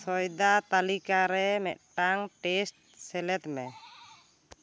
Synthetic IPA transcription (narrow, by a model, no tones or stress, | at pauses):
sɔjd̪at̪alikaɾɛmɛʔ̪̚ʈaŋʈɛsʈ̚sɛlɛt̪mɛ